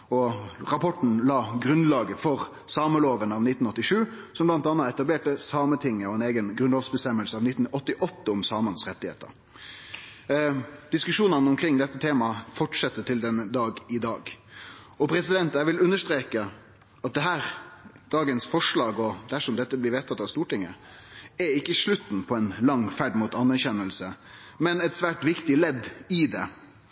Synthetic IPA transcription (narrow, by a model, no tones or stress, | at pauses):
ɔɾɑpʰɔʈɳn̩lɑːɡɾʉnlɑːɡəfɔɾ | sɑːməloːʋənɑʋnɪt̪n̩ɔt̪ːɪʂʉːsɔmblɑnt̪ɑnːɑɛt̪ɑbleːʈəsɑːmət̪ʰɪŋːəɔɛneːɡənɡɾʉnoːʋsbəst̪ɛmːəlsəɑːʋnɪt̪ːn̩ɔt̪ːɪʔɔt̪ːəɔmsɑːmɑnsʁɛt̪ːɪhḛːt̪ə̰ɾ | d̪̥ɪskʉʂuːnənəʊmkʰɾɪŋːd̪ɛt̪ːət̪ʰeːmɑfɔʈʂɛt̪ːət̪ʰɪld̪ɛnːəd̪ɑːɡɪd̪ɑːɡ | ɔpʰɾɛsɪd̪ɛnt̪æʋɪlʉnːəʂt̪ɾeːkə | ɑt̪̚d̪ɛɦæːɾ | d̪̥ɑːɡənsfɔʂɭɑːɡɔd̪æʂɔmd̪ɛt̪ːəblɪɾʋeːt̪ʰɑt̪ːɑʋst̪uːʈɪŋːə | ɛɪkːəʂɭʉt̪ːn̩pʰɔɛnlɑŋːfæɖmʊt̪ɑnːæɾçɛnːəlsə | mɛnɛt̪sʋæːʈʋɪkt̪ɪlɛd̪ɪd̪ɛ̰